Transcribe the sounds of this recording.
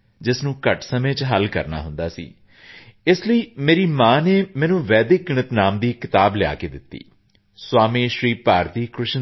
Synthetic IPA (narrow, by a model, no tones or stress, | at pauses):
d͡ʒɪsnũːkəʈsəmẽːt͡ʃɦəlkə̰ɾna̰ːɦʊnd̪aːsḭː | ɪsləiːmeːɾiːmãːneːmɛ̃ːnũːʋɛːd̪ɪk̚ɡɪɳət̪naːmd̪iːkɪt̪aːblɪja̰ːkeːd̪ɪt̪ːḭː | swaːmĩːʃɾiːpaːɾd̪iːkɾʊʃ